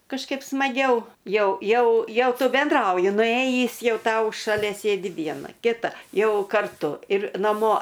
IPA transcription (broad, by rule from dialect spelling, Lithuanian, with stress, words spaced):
kɐʃˈkɐɪp smɐˈɡʲɛʊ ˈjɛʊ ˈjɛʊ ˈjɛʊ ˈtʊ bʲɛnˈdrɐʊjɪ nʊˈeːjiːs ˈjɛʊ ˈtɐʊ ʃɐˈlʲɛ ˈsʲeːdʲɪ ˈʋʲiɛnɐ kʲɪˈtɐ ˈjɛʊ kɐrˈtʊ ɪr nɐˈmoː